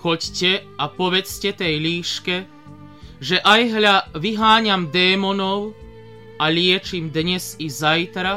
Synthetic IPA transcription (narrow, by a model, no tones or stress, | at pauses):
xɔccɛapɔʋɛt͡scɛt̪ɛjʎiːʃkɛ | ʒɛʔajɦʎaʋiɦaːɲamd̪ɛːmɔnɔʊ | aʎɪɛt͡ʃimd̪ɲɛzizajt̪ɾa